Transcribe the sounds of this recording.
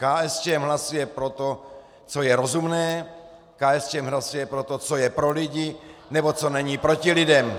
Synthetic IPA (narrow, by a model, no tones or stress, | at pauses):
kaːɛst͡ʃɛmɦlasujɛpɾo̞t̪o | t͡so̞jɛɾo̞zumnɛː | kaːɛst͡ʃɛmɦlasujɛpɾo̞t̪ot͡so̞jɛpɾo̞lɪɟɪnɛbo̞t͡so̞nɛɲiːpɾo̞cɪlɪdɛm